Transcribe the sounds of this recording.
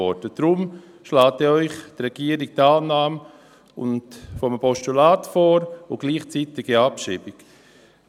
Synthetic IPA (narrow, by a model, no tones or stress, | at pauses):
ɔdəd̥ɾʊm | ʃlaːtɛɔʏχdrɾɛɡ̥iəɾɪk̚taːlnaːm | ʊ̰ntfɔmpɔʃtulaːtfoːɾʊɡ̥liːχt͡siːtɪɡiapʃiːbɪk